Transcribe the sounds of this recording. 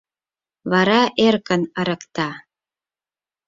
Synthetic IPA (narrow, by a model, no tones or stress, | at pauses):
βɑɾɑʔerkənəɾə̆kt̪ɑ